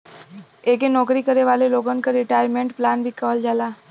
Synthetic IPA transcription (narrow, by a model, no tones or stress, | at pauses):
eːkenɔːkɾikəɾeʋaːleloːɡankaɾɪʈaːjəɾmẽɳʈplaːnbʱikəːəld͡ʒaːlaː